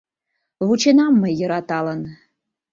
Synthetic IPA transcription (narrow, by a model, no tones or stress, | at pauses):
vut͡ʃenɑmːəjə̆ɾɑt̪ɑlən